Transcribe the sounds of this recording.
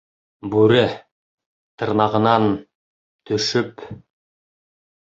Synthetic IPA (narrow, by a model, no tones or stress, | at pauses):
bʉɾɘ | t̪ʰɤ̆ɾnɑʁɤ̆nɑn | t̪ʰɵ̆ʃʏp